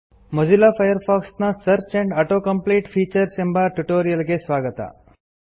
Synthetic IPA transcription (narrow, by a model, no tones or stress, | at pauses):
məd͡ʒilafajəɾfɔksnasəɾt͡ʃɛ̃ɳɖaʈokəmpliʈfiːt͡ʃəɾsembaʈuʈoɾijəlɡesʋaɡət̪a̰